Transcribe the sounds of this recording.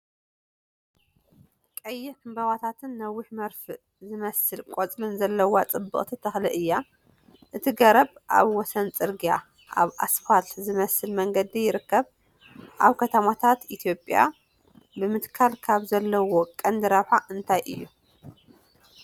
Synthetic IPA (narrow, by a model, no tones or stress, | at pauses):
kʼɐjːɪħɨmbɐβat̪ʰat̪ʰɨnːɐwːɪħmɐɾfɨ | zɨmɐsɨlkʼot͡sʼlɨnzɐlːɐwat͡sʼɨbːɨ̰χʼt̪ʰit̪ʰɐxlɨʔɨjːa | ʔɨt̪ʰiɡɐɾɐβʔa̰βwɔsɐnt͡sʼɨɾɡija | ʔa̰βʔa̰sfalzɨmɐsɨlmɐŋɡɐd̪ijɪɾɨkːɐβ | ʔaβkʰɐt̪ʰɐmat̪ʰat̪ʔit̪ʰjo̞pʼja̰ | bɨmɨt̪kʰalkʰaβzɐlːɐwo̞kʼɐnd̪ɨɾɐβħaʔɨnt̪ʰajʔɨ̰jːu